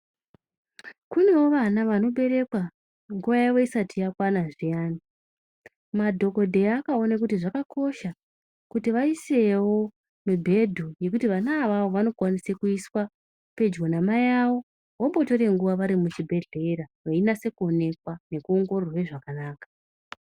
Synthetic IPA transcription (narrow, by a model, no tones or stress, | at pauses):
kune̞wo̞ʋanaʋano̞ɓe̞ɾe̞kwa | ŋɡuʋajaʋo̞isatijakwanaʐijaːni | madʱo̞ko̞dʱe̞ːkao̞nak̬utiʐakakʰo̞ʃa | kutiʋaise̞wo̞ | mubʱe̞dʱuje̞k̬utiʋanaːʋao̞ʋano̞kwanisekuiswa | pe̞d͡ʒɡonamajawo̞ | wombo̞to̞ɾe̞ŋɡuʋaʋaɾimut͡ʃibʱe̞ɮe̞ɾaʋainase̞kuo̞ne̞kwane̞kuoŋɡororwe̞ʐakanaːkḁ